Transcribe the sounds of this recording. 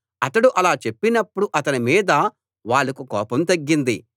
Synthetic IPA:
ɐt̪ɐɽuʔɐlaːt͡ʃe̞pːinɐpːuɽuʔɐt̪ɐnimiːd̪ɐ | ʋaːɭːɐkukɔ̰ːpɐmt̪ɐɡːind̪i

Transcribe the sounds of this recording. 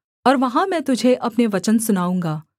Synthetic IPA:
ɔːɾʋɐɦãmɛ̃ːt̪ʊd͡ʒʱeʔɐpneʋɐt͡ʃənsʊnaːũːŋɡaː

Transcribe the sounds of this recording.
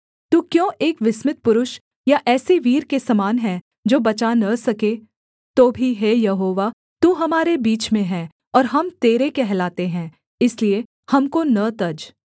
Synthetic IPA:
t̪uːkjõːʔeːkʋɪsmɪt̪̚pʊɾʊʃ | jaʔɛːseʋiːɾkesɐmaːnɦɛ̃ | d͡ʒoːbɐt͡ʃanɐsɐke | t̪oːbʱiɦejɐɦoːʋa | t̪uːɦɐmaːɾebiːt͡ʃmẽɦɛ̃ː | ɔːɾɦɐmt̪eːɾekɛɦlaːt̪eɦɛ̃ː | ɪslie | hɐmkonɐt̪ɐd͡ʒ

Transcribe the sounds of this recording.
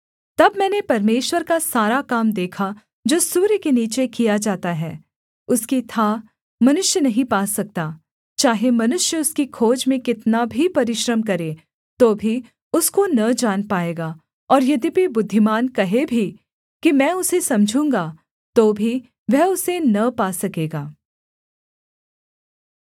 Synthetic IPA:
t̪ɐbmɛ̃ːnepɐɾmeːʃwəɾkasaːɾakaːmd̪eːkʰa | d͡ʒoːsuːɾjkeniːt͡ʃekijad͡ʒaːt̪aɦɛ̰ː | ʊskit̪ʰaː | mɐnʊʃjənɐɦĩpaːsɐk̚t̪aː | t͡ʃaːɦemɐnʊʃjəʊskikʰoːd͡ʒmẽkɪt̪nabʱipɐɾɪʃɾəmkɐɾeː | t̪oːbʱi | ʊskonɐd͡ʒaːnpaːeːɡaː | ɔːɾjɐd̪ipibʊd̪ʱːimaːnkɐɦebʱi | kimɛ̃ːʊsesɐmd͡ʒʱũːŋɡa | t̪oːbʱi | ʋɛɦʊsenɐpaːsɐkeːɡaː

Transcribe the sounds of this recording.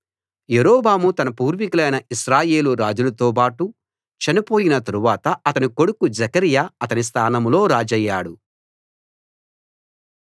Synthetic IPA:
jeɾɔːbaːmut̪ɐnɐpuːɾʋikulɐjnɐʔiʃɾaːje̞ːluɾaːd͡ʒulɐt̪oːp̬aːʈu | t͡ʃɐnipo̞ːjinɐt̪ɐɾuʋaːt̪ɐɐt̪ɐniko̞ɽukud͡ʒɐkɐɾijaːɐt̪ɐnis̬t̪ʰaːnɐmlo̞ːɾaːd͡ʒɐjːaːɽu

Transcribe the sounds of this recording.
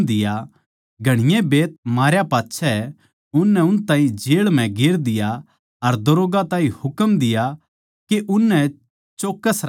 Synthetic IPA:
d̪ɪja | ɡʱɐɽ̃ɪjẽbeːt̪̚maːɾjapaːtːʃʰɛɛ | ʊnːɛʊnt̪ãːĩd͡ʒeːɭm̤ɛ̃ɡɪɾd̪ɪja | ɐɾd̪ɐɾoːɡat̪ãːĩhʊkəmd̪ɪja | keʔʊnːɛ | t͡ʃoːkːəsɾ

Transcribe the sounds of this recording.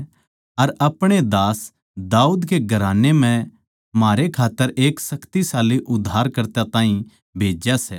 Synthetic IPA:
ɐɾɐpɽ̃ed̪aːs | d̪aːuːd̪keɡʱɐɾaːnemɛ̃ | maːɾekʰaːt̪ːəɾʔeːksɐkt̪isaːliʔʊd̪ʱːaːɾkɐɾt̪at̪ãːĩ | bʱeːd͡ʒjasɛː

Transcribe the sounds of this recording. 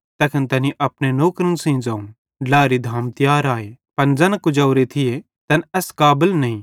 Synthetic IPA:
t̪ɐkʰənt̪ɐniʔɐpɽ̃enoːkɾənsĩd͡zaːũ | laːɾid̪ʱaːmt̪ɪjaːɾaːe | pɐnd͡zɐnkʊd͡ʒɐʊɾet̪ʰɪje | t̪ɐnɛskaːbəlnɐĩ

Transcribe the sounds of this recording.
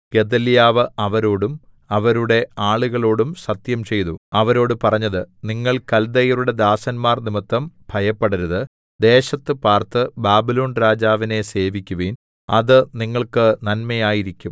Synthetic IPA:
ke̞d̪ɐljaːʋɨɐʋɐɾo̞ːɽum | ɐʋɐɾuɽe̞aːɭuɣɐɭo̞ːɽumsɐt̪jɐmt͡ɕe̞jt̪uɐʋɐɾo̞ːɽupɐrɐɲːɐðɨniŋːɐɭkɐld̪ɐjɐɾuɽe̞d̪aːsɐnmaːrnimɐt̪ːɐmbʱɐjɐpːeɽɐɾɐðɨ | d̪e̞ːɕɐt̪ːɨpaːrt̪ɨbaːbilo̞ːnɾaːd͡ʑaːʋine̞se̞ːʋikʲːuʋiːn | ɐðɨniŋːɐɭkɨnɐnmɐjaːjiɾikʲːum

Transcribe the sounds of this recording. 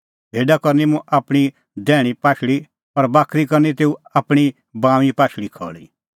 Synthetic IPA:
bʱeːɖakɐɾnimũʔaːpɽ̃i | d̪ɛːɽ̃ipaːʃɽi | pɐɾbaːkʰɾikɐɾnit̪eːuaːpɽ̃i | bãːʋipaːʃɽikʰɔ̰ːɭḭ

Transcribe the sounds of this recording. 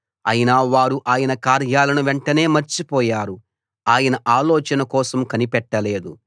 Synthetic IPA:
ɐ̰jinaːʋaːɾuʔaːjɐnɐkaːɾjaːlɐnuʋɛɳʈɐne̞ːmɐɾt͡ʃipɔːjaːɾu | aːjɐnɐʔaːlɔːt͡ʃɐnɐkɔːsɐmkɐnipɛʈːɐle̞ːd̪u

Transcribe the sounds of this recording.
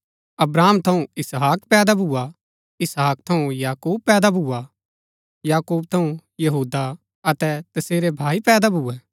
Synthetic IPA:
ɐbɾaːmt̪ʰɐ̃ũɪsɦaːkpɛːd̪abʱuːa | ɪsɦaːk̚t̪ʰɐũjaːkuːb̚pɛːd̪abʱua | jaːkuːb̚t̪ʰɐ̃ũjɐɦuːd̪a | ɐt̪ɛt̪ɐseːɾebʱaːipɛːd̪abʱuːɛ

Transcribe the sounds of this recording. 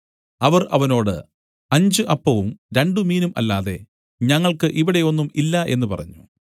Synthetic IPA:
ɐʋɐrɐ̰ʋɐno̞ːɽɨ̰ | ɐɲd͡ʑɨʔɐpːɐʋumɾe̞ɳɖɨmiːnumɐ̰lːaːðe̞̰ | ɲɐŋːɐɭkɨʔiʋiɽe̞o̞nːumilːɐʔe̞nːupɐrɐ̰ɲːu

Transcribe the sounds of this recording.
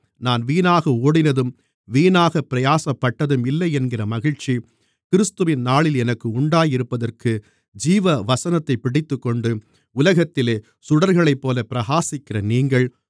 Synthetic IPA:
naːnʋiːnaːɣɐoːɽɪnɐðɯm | ʋiːnaːɣɐpːɪɾɐjaːsɐpːɐʈːɐðɯmɪlːɐɪɛnɡɪrɐmɐɣɪɻt͡ʃːi | kɪɾɯst̪ɯʋɪnnaːɭɪlɛnɐkːɯʊɳɖaːjɪɾɯpːɐðɐrkɯ | d͡ʒiːʋɐʋɐsɐnɐt̪ːɐɪpːɪɽɪt̪ːɯkːɔɳɖɯ | ʊlɐɣɐt̪ːɪleː | sʊɽɐɾɣɐɭɐɪpːoːlɐpɪɾɐɣaːsɪkːɪrɐniːŋɡɐɭ

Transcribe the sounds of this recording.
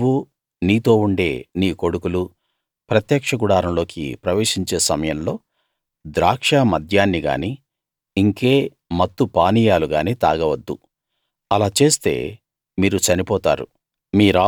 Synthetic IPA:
u | niːt̪o̞ːuɳɖe̞ːniːko̞ɽukulu | pɾɐt̪jɐːkʂɐɡuɽaːɾɐmlo̞ːkḭpɾɐʋe̞ːʂiɲt͡ʃe̞ːsɐmɐjɐmlo̞ː | d̪ɾaːkʂamɐd̪ʱjaːnːiɡa̰ːni | iŋke̞ː | mɐt̪ːupaːnijaːluɡaːniːt̪a̰ːɡɐʋɐd̪ːṵ | ɐlaːt͡ʃe̞ːst̪e̞̰ː | miːɾut͡ʃɐnipɔːt̪a̰ːɾṵ | miːɾaː

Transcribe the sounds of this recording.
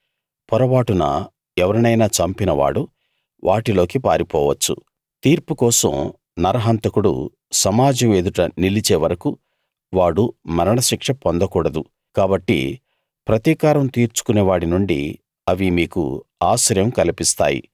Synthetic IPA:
pɔɾɐʋaːʈunɐ̰ | ɛʋɐɾɐnɐjnaːt͡ʃɐmpinɐʋa̰ːɽu | ʋʔaːʈilo̞ːkipaːɾipɔːʋɐt͡ʃːṵ | t̪iːɾpukɔːsɐ̰m | nɐɾɐɦɐnt̪ɐkuɽṵ | sɐmaːd͡ʒɐmeːd̪uʈɐnilit͡ʃeːʋɐɾɐku | ʋaːɽumɐɾɐɳɐʃikʂɐpond̪ɐkuːɽɐd̪u | kaːbɐʈːḭ | pɾɐt̪iːkaːɾɐmt̪iːɾt͡ʃu̥kuneːʋaːɽinuɳɖḭ | ɐʋimiːkṵaːsɐɾjɐmkɐlipist̪a̰ːjḭ

